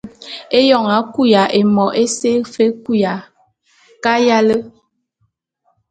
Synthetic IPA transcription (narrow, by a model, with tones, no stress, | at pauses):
e˦jɔ˦˨ŋa˨˦ku˦ja˨ʔe˨mɔ˨ʔe˦se˦fe˦ku˦ja˨ | ka˦ja˦lə˦